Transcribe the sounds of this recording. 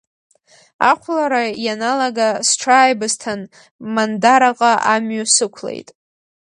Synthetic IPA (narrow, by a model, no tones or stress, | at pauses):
a̰qʷʰlaɾajanalaɡasʈ͡ʂʰaːjbɨztʰan | mandaɾaqʼaʔamɥasɨkʷʰlḛjtʼ